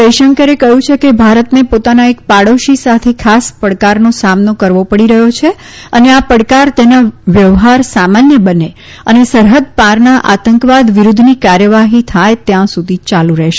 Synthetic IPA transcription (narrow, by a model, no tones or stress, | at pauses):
pəjʃəŋkəɾekəɦũt͡ʃʰekebʱaɾət̪nepot̪anaekpaɽoʃisat̪ʰekʰaspəɽkaɾnosamnokəɾʋopəɽiɾəɦot͡ʃʰe | əneapəɽkaɾt̪enaʋjəʋɦaɾsamanjəbəne | ənesəɾɦəd̪̚paɾnaʔat̪əŋkʋad̪ʋiɾud̪ʱnikaɾjəʋaɦit̪ʰajt̪jãsud̪ʱit͡ʃalũɾɛɦʃe